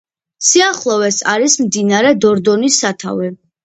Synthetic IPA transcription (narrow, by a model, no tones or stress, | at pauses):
siaχlˠɔvɛsa̰ɾismd̪inaɾɛd̪ɔɾd̪ɔnisːat̪ʰa̰vɛ